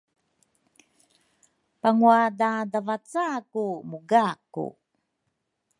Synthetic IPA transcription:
paŋuadadavat͡sakumuɡakṵ

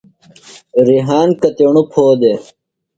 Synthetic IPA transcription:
ɾiɦaːnkɐt̪eɳupʰoːd̪e

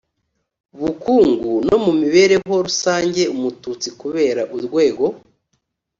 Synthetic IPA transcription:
βukuːŋɡuno̞mumiβe̞ːɾe̞ɦo̞ɾusaːɲɟe̞umutut͡sikuβe̞ːɾaʔuɾɡwe̞ːɡo̞

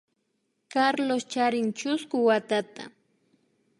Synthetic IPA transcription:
kaɾlost͡ʃaɾɪnt͡ʃʊskʊwat̪at̪a̰

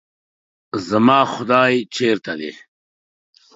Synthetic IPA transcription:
zɐmaːxʊd̪aːjt͡ʃʰeːɾt̪ad̪ḛ

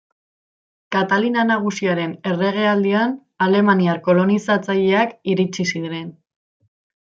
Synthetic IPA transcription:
kat̪alinanaɣ̞usiaɾe̞ne̞re̞ɣ̞e̞ald̪ian | ale̞maniaɾko̞lo̞nisat͡saʎe̞akiɾit͡ʃisiðɾen

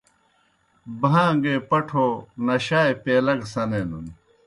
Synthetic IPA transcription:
bʱãːŋɡeːpɐʈʰoːnɐɕaːjpeːlɐɡsɐnenuni

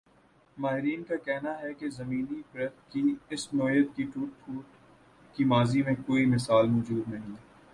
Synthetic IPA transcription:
maːɦɪɾiːnkakɛɦnaɦɛkezɐmiːnibɾɐd̪kiɪsnoːjət̪kiʈuːʈʰuːʈ | kimaːzimẽkoːimɪsaːlmɔːd͡ʒuːd̪nɐɦĩ

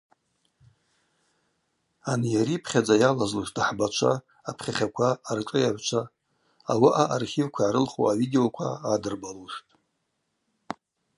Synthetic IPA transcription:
anjaɾipʰχʲad͡zajalazluʂtaħbat͡ʃʷʰa̰ | apʰχʲaχʲakʷʰaːrʈ͡ʂʼɨjaʕʷt͡ʃʷʰa | awaʔaʔarχʲivkʷʰaʕaɾɨlχo̰avideokʷʰa̰adɨrbaluʂtʼ

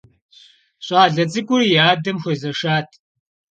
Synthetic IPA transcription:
ɕʼaːɮɐt͡sʼɨkʷʼʊrijaːdɐmxʷɐzɐʂaːtʰ

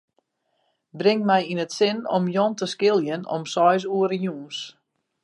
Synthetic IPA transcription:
brɪŋmɛjinətsɪnɔ̰mjɔntəskɪlˠjənɔ̰msɔjs̬uəɾəjuːns

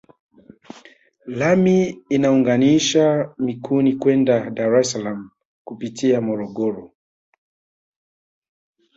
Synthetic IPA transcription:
lamiːnauŋɡaniʃamikʰunikwɛndadaɾɛsalam̩ | kupitʰiamɔɾɔɠɔɾɔ

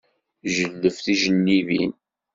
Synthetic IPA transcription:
ʒəlːəfθiʒənːivin

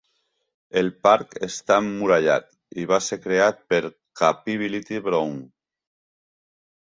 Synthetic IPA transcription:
elpaɾkest̪amːuɾaʎa̰t̪ | iβaseɾkɾeat̪̚peɾ | kapiβilit̪iβɾoŋ

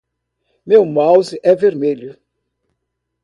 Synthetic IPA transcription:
mewmawzɪʔɛveɾmeʎʊ

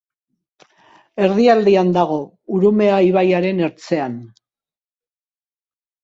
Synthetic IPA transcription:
e̞ɾðiald̪iand̪aɣ̞o̞ | uɾume̞aiβ̞ajaɾe̞ne̞ɾt͡se̞an

